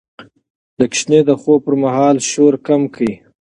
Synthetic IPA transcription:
d̪əkʃned̪əxopəɾmahɑːlʃoɾkamkəji

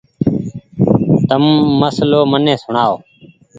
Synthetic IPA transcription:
t̪əmːəsloːmənẽːsʊɳaːoː

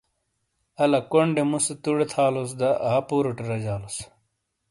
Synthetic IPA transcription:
ɐlɐkoɳɖemuset̪uɽet̪ʰaːlos̬d̪ɐʔaːpuːɾoʈeɾɐd͡ʑaːlos

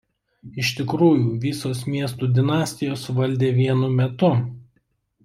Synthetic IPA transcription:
ɪʃʲt̪ʲɪkɾuːjuːʋʲɪsoːsmʲiɛs̬t̪uːd̪ʲɪnɑːsʲt̪ʲɪjoːsʋɐlʲd̪ʲeːʋʲiɛnʊmʲɛt̪ʊ

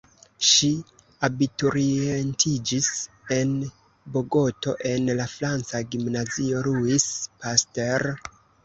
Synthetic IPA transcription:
ʃi | abituɾientʰid͡ʒis | e̞n | bo̞ɡo̞to̞ʔe̞nlafɾant͡saɡimnazio̞ɾuispasteɾ

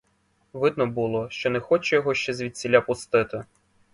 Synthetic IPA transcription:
ʋɪd̪nɔbulˠɔʃt͡ʃɔnɛxɔt͡ʃɛjɔɦɔʃt͡ʃɛzʲʋʲid̪̚ʲt͡sʲilʲapʊst̪ɪt̪ɪ

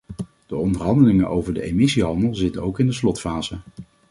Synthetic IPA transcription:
d̥əɔndəɹɦɑndəlɪŋəʔowvəɹdəejmɪsiɦɑndəlˠzɪtənowkɪndəslɔtfaːz̥ə

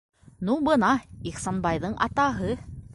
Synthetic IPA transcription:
nubɤnɑiχsonbɑjðɤɴʔɑ̰t̪ɑɦɤ

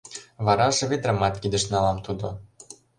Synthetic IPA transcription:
βɑɾɑʒɤ̆βed̪ɾɑmɑt̪kʲid̪ə̆ʃnɑlɑmt̪ud̪ŏ

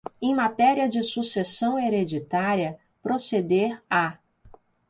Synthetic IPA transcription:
ẽj̃mat̪ɛɾiɐd͡ʒɪsusesɐ̃w̃eɾed͡ʒit̪aɾiɐ | pɾosed̪eɾa

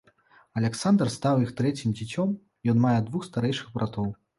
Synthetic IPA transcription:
ɐlʲɛksand̪rst̪awixt̪ɾɛt͡sʲimd͡zʲit͡sʲɔm | jɔnmajɛd̪vuxst̪aɾɛjʂɨɣbɾʔat̪ɔw

